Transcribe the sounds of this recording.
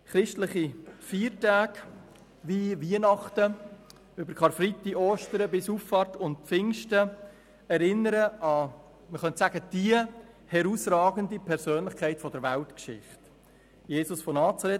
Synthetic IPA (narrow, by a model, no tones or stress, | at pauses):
χɾɪʃtləχifiːɾtaːk | ʋiʋiənɑχtə | ʏbəɾkχɑɾfɾitːiʔoːʃtəɾəbɪsuːffɑːɾtʊnt̚pfɪŋʃtə | ɛɾɪnːəɾəɑ | məχœntsæɡ̥əd̥iə | hɛɾusɾɑːɡəndipʰɛɾsøːnlɪχkʰæɪtfɔdəɾʋæltkʃɪ̰χt | jeːsʊsfɔnɑːt͡sɑɾɛt